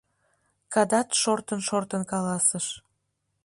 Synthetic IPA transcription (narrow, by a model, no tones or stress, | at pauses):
kɑd̪ɑt̪ʃort̪ənʃort̪ənkɑlɑsəʃ